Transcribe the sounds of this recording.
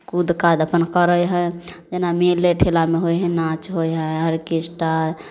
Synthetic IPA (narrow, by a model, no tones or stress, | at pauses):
kud̪kad̪əpənkəɾəjɦəd͡ʒenamilːeʈʰelameɦojɦə̃nat͡ʃɦojɦə̃ɦəɾkisʈa